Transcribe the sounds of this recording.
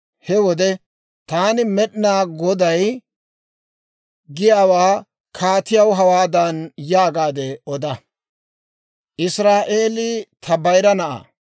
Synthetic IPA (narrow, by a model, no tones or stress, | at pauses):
hɛwɔd̪ɛ | t̪aːnɪmɛɗnaːɡɔd̪ɐj | ɡɪjaːwaː | kʰaːt̪ɪjɐwɦɐwaːd̪ɐnjaːɡaːd̪ɛɔd̪ɐ | ʔɪsɾaːʔe̞ːlɪt̪ʰɐbɐjɾɐnɐʔa̰ː